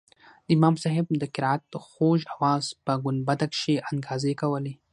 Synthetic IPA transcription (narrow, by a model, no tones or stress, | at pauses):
d̪əɪmɑmsɑɦɪb̚d̪əkɪɾɑat̪̚d̪̥əxoʒawɑzpəɡʊn̚bad̪akʃeʔanɡɑzekawəle